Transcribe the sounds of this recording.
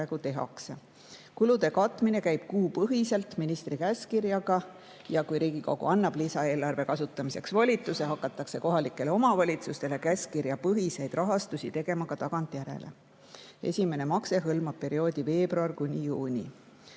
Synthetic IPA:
æeɡ̥ut̪e̞ɦɑ̰kse | kulud̪̥e̞kɑt̪ːˑmine̞kæjb̥kuːpɤɦise̞lt̪minist̪ɾikæskirjɑɡ̥ɑ | jɑkujɾiːɡ̥iko̞ɡ̥ṵɑnːɑb̥lisɑe̞ːlɑrve̞kɑsut̪ːˑɑmise̞̰ksvɑlʲit̪ːˑuse̞ɦɑkːˑɑt̪ːˑɑkse̞ko̞ɦɑlikːˑe̞leo̞mɑvɑlʲit̪sust̪e̞lekæskiɾjɑpɤɦise̞jd̪̥rɑɦɑst̪usʲit̪e̞ɡ̥e̞mɑkɑt̪ɑɡ̥ɑnt̪ˑjæɾe̞̰lʔe̞̰ | e̞̰sʲime̞ne̞mɑkse̞ɦɤlmɑb̥̚pe̞ɾio̞ːd̪̥ʲive̞ːbruɑrkunʲijuːnʲḭ

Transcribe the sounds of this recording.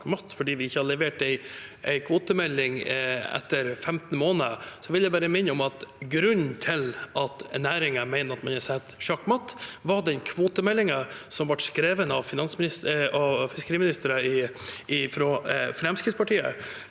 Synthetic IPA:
kmɑt̪ːfɔɖiːʋɪɪçːəhɑd̪əlɛʋeːʈɛɪʔæɪkʰʋoːt̪əmɛlːɪŋɛ̰t̪ːəɾfɛmt̪n̩moːnəəsɔʋɪljæɪbæːɾəmɪnːəɔmɑt̪ɡɾʉnt̪ʰɪlʔɑt̪næːɾɪŋəmæɪnəɾɑt̪mɑnɑsɛt̪ːʃɑkːmɑt̪ːʋɑɖɛnkʰʋoːt̪əmɛlːɪŋəsɔmʋɑʈskɾeːʋənəɑʋfɪnɑnsmɪsɑfɪskəɾiːmɪnɪst̪əɾəɪʔɪfɾɔːfɾɛmskɾɪt̪spɑʈʰiːə̰

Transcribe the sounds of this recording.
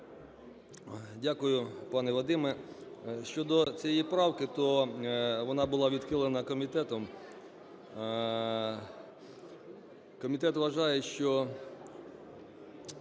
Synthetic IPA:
dʲakʊjʊpɑnɛʋɔd̪ɪmɛ | ʃt͡ʃɔd̪ɔt͡sʲijɛijpɾɑwkɪt̪ɔ | ʋɔnɑbʊlˠɑʋʲid̪xɪlˠenɐkɔmʲit̪ɛt̪ɔm | kɔmʲit̪ɛt̪ʋɐʒɑjɛʃt͡ʃɔ

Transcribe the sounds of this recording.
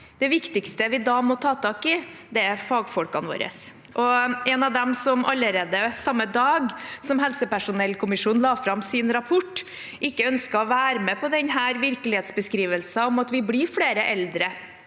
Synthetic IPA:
d̪̥ɛʋɪkt̪ɪkst̪əʋɪd̪ɑːmɔt̪ʰɑːt̪ʰɑːkɪd̪ɛæɾfɑːɡfɔlkɑnʋo̰ːɾə̰s | ʔɔɛnɑʋd̪ɛmsɔmʔɑ̰lːəɾeːd̪əsɑmːəd̪ɑːɡsɔmɦɛlsəpæʂʊnɛlːkʰʊmɪʂuːnlɑːfɾɑmsɪnɾɑpʰɔʈː | ʔɪkːəœnskɑɔʋæːɾəmɛːpɔd̪ɛnɦæːɾʋɪɾklɪheːt̪sbəskɾiːʋəlsɑɔmɑt̪ʋɪblɪɾfleːɾəʔɛld̪ɾə

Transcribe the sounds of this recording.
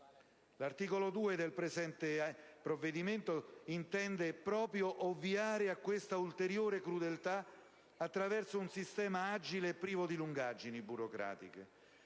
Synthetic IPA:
lart̪iːkolod̪uːed̪elpɾezɛnt̪epɾovːed̪iment̪oint̪ɛnd̪epɾɔːpɾjoʔovːiaːɾeakːwest̪ault̪eɾjoːɾekɾud̪elt̪a | at̪ːɾavɛrsounsist̪ɛːmaad͡ʒileːpːɾiːvod̪iluŋɡad͡ʒinibuɾokɾa̰ːt̪ikḛ

